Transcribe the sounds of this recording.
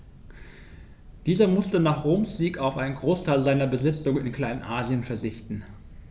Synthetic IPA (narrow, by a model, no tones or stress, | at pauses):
d̥iːzɐmʊstənaːχʁoːmsz̥iːkaʊfʔaɪnənɡʁoːstʰaɪlzaɪnɐbəzɪt͡sʊŋənɪnkʰl̥aɪnnʔaːziənfɛɐzɪçtn̩